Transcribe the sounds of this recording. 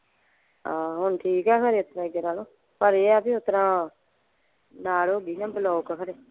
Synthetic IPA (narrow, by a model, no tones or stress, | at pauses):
ãːɦʊɳʈʰiːkɛːkʰəɾeːʊt̪ɾãːɪɡeɾaːloː | pəɾeːaːpiːʊt̪ɾãː | naːɽoːɡiːnãːbəlɔːkːkʰəɾeː